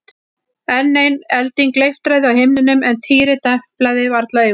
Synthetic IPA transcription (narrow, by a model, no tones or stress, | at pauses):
ɛnːejnɛlt̪iŋklejft̪ɾajðɪawhɪmnɪnʏmɛnt̪ʰiːɾɪt̪ɛhplajðɪvaɾt̪laʏ